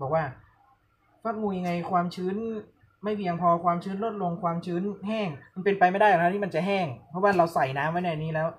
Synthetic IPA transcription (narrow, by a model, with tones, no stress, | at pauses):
bɔː˨˩k̚waː˥˩ | faː˦˥p̚ŋuː˧ja˧ŋːa˧jkʰwaː˧mt͡ɕʰɯː˦˥n | ma˥˩jpʰiː˧ja˧ŋpʰɔː˧kʰwaː˧mt͡ɕʰɯː˦˥nlo˦˥t̪̚lo˧ŋkʰwaː˧mt͡ɕʰɯː˦˥nɦɛː˥˩ŋma˧npe˧npa˧jma˥˩jda˥˩jka˨˩a˥t̪ʰiː˥˩ma˧nt͡ɕa˨˩ɦɛː˥˩ŋpʰɔ˦˥waː˥˩ɾa˧wsa˨˩jnaː˦˥mːa˦˥jna˧˩ʔa˧nːiː˦˥lɛː˦˥w